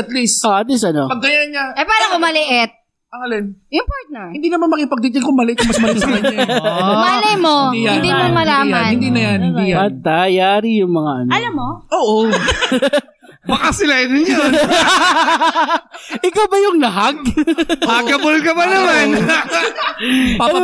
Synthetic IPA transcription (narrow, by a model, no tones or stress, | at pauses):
ɐt̪lisʔoʔɐt̪lisɐnopɐɡ̚d̪ɐjanɲaʔɐpaːɾɐkomɐlɪʔɛt̪̚ | ɐŋɐlɛnjʊmpaɹt̪̚nɛɹɪnd̪iːnɐmanmɐkɪpɐɡ̚t̪it͡ʃ̪ɐjkʊmɐlʔɪt̪̚ʊmɐsmɐsɐ | malɛmod̪ijɪnd̪imomɐlaːmɐanhɪnd̪inɐjɐnɪnijaat̪ajaaːɾijʊŋmɐŋaʔɐnɐlɐmːoʔoːʔo | bɐkasɪlad̪ɪnja | ʔɪkawbɐjʊŋlɐɦaɡ̚ | aɡɐbolkɐbɐnɐman | pa